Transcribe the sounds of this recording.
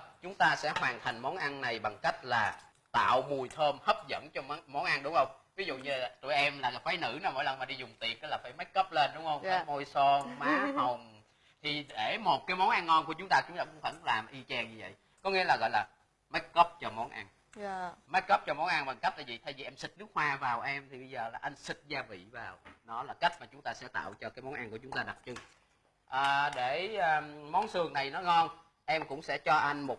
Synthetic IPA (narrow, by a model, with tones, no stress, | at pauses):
t͡ɕʊ˨˦ŋ͡mt̪aː˧sɛ̰˧˥hwaː˨˩nt̪ʰa˨˩jŋ̟mɔ˨˦nʔa˧nːna˨˩jɓa˨˩ŋka˦˥jk̚laː˨˩ | t̪a̰ː˧˨wmu˨˩əjt̪ʰəː˧mhə˦˥p̚zə̰˧˥nt͡ɕɔ˧˨˦mɔ˨˦nʔa˧nɗʊ˨˦ŋ͡mhə˧wŋ͡mvi˨˦zṵ˧˨ɲɨ˧t̪u˧˨jʔɛ˧mlaː˨˩˨faː˨˦jnɨ̰˧˥nɔ˨˧˦mo˧˥jlə˨˩nma˨˩ɗi˧zʊ˨˩ŋ͡mt̪i˨˩ək̚ːə˨˦˥laː˨˩faː˧˩jma˨˦˥j̚kə˦˥p̚le˧nɗʊ˨˦ŋ͡mhə˧wŋ͡mkaː˦mo˧jsɔ˧maː˨˦hə˨˩wŋ͡m | t̪ʰi˨˩ɗe˧˩mo˨˩t̚kaː˨˦jmɔ˨˦nʔa˧nːɔ˧nku˧˩ət͡ɕʊ˦ŋ͡mt̪aː˧t͡ɕʊ˨˦ŋ͡mt̪aː˧kʊ̰˧˥ŋ͡mfə˧˩n˦laː˨˩mʔi˧t͡ɕɛ˧nɲɨ˧və̰˧˨j | kɔ˨˦ŋḭ˧˥əlaː˨˩ɣɔ̰˧˨jlaː˨˩ | ma˦˥t̚kɔ˦˥p̚t͡ɕɔ˧mɔ˨˦nʔa˧n | ma˦˥t̚kɔ˦˥p̚t͡ɕɔ˧mɔ˨˦nʔa˧nɓa˨˩ŋka˦˥t̚t̪aː˧˩vḭ˨˩t̪ʰa˧jvi˨˩ʔɛ˧msï˨˩k̚nɨ˦ək̚hwaː˧vaː˨˩wʔɛ˧mt̪ʰi˨˩ɓə˧jzəː˨˩laː˨˩ʔa˧jŋ̟sï˨˩t̚zaː˧vḭ˧˨vaː˨˩wnɔ˨˦laː˨˩ka˦˥jk̚maː˨˩t͡ɕʊ˨˦ŋ͡mt̪aː˧sɛ̰˧˥t̪a̰ː˧˨wt͡ɕɔ˧kaː˨˦jmɔ˨˦nʔa˧nku˧˩ət͡ɕʊ˨˦ŋ͡mt̪aː˧ɗa˨˩p̚t͡ɕɨ˧˩ŋ | ʔəː˨˩ɗe˧˩əː˨˩mɔ˨˦nsɨ˨˩əŋna˨˩jnɔ˨˦ŋɔ˧n | ʔɛ˧mkʊ̰˧˥ŋ͡msɛ̰˧˥t͡ɕɔ˧ʔa˧jŋ̟mo˨˩t̚